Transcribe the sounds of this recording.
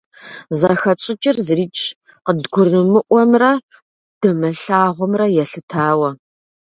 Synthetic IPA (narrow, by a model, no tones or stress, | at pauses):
zɐxɐt͡ʃʼɪt͡ʃʼɪrzɨriːt͡ʃʰʼ | qədɡʷʊrɨmɨʔʷɔmrɐ | d̥ɨmɐɬaːʁʷʊmrɐjɛɬɨtʰaːwɐ